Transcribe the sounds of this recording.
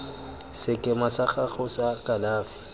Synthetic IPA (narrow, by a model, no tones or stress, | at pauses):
sɪkʼɪmasaχaχʊsakʼalaːfɪ̥